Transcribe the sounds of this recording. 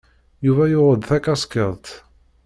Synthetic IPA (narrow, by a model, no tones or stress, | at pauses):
juvæjʊʁəd̪θækːæsˤkəðˤt̪